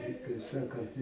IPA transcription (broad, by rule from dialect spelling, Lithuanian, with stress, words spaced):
ɪ kɐɪp ˈsɑːkɐnt